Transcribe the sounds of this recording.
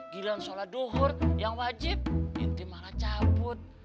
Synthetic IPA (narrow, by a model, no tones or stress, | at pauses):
ɡilansoladoɦɔrjaŋwad͡ʒɪp̚ḭnt̪imalat͡ʃabʊt̪̚